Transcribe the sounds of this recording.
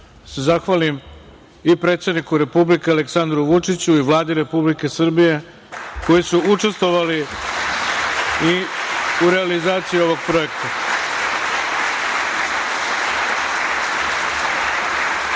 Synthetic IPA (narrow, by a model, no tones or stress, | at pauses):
se̞zaxʋalim | ipɾe̞t̪sed̪nikuɾe̞publike̞ale̞ksand̪ɾuʋut͡ʂit͡ɕuiʋlˠaːd̪iɾe̞publike̞sr̩bije̞ | ko̞jisuut͡ʂe̞st̪ʋo̞ʋali | iuɾe̞alizaːt̪sijio̞ʋo̞ɡ̚pɾo̞e̞kt̪a